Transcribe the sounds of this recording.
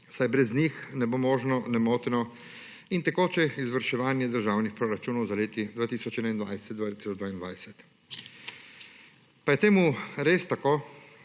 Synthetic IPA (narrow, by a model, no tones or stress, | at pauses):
sajbɾɛznixnɛbomɔːʒnɔnɛmoːt̪ɛnɔ | int̪ɛkoːt͡ʃɛizʋəɾʃɛʋaːnjɛd̪əɾʒaːwnixpɾoːɾat͡ʃuːnɔwzaleːt̪id̪ʋaːt̪iːsɔt͡ʃɛːnaind̪ʋajsɛt̪̚d̪ʋaːt̪i̥ːsɔd͡ʒd̪ʋaːind̪ʋajsɛt̪ | pajɛt̪eːmuɾeːst̪akoː